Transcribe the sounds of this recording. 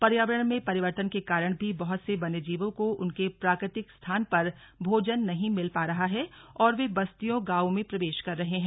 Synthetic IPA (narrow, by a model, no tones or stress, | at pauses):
pɐɾjaːʋəɾəɽ̃mẽpɐɾɪʋəɾt̪ənkekaːɾəɽ̃bʱibɐɦʊt̪sebɐned͡ʒiːʋõkoʊnkepɾaːkɾɪt̪ɪkst̪ʰaːnpɐɾ | bʱoːd͡ʒənːɐɦĩmɪlpaːɾɐɦaɦɛɔːɾʋebɐst̪ijõɡaːomẽpɾɐʋeːʃkɐɾːɐɦeɦɛ̃ː